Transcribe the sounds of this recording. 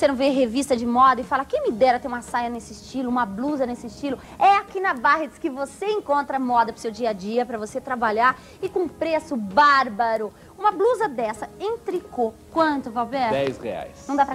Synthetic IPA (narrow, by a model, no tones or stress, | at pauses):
osenɐ̃w̃veɦevist̪ɐd͡ʒɪmɔd̪ɐɪfalɐkẽj̃mɪd̪ɛɾɐt̪ẽɾũmɐsajɐnesɪst͡ʃilʊũmɐbluzɐnesɪːst͡ʃilʊ | ɛakinɐbaɦet̪ɪskɪvoseẽŋkõnt̪ɾɐmɔd̪ɐpɾʊsewd͡ʒiɐd͡ʒiɐpɾɐvoset̪ɾabaʎaɾ | ɪkõũpɾesʊbaɾbaɾʊ | ũmɐbluzɐd̪ɛsɐẽt̪ɾikokwɐ̃t̪ʊvawbɛɾd̪ɛjshḛa̰jsnɐ̃w̃d̪apɾɐ